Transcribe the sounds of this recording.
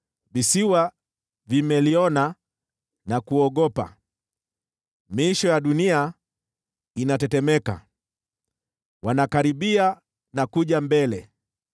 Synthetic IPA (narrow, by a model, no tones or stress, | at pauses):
visiwa | vimɛliɔna | nakuɔɠɔpa̰ | miʃɔjaɗunia | inatɛtɛmɛka̰ | wanakaɾiɓia | nakuʄambɛlɛ